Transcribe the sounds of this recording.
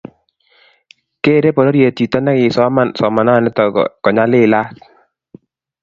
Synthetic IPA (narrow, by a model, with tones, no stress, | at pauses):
ke˦˨ɾe˦pɔ˨ɾɔ˦ɾje˨ti˨tɔ˦na˦kɪ˨sɔ˦ma˦˨nsɔ˨ma˨na˦˨nɛ˦tɔ̰˨kɔ˨ɲa˦lɪ˦˨la˦s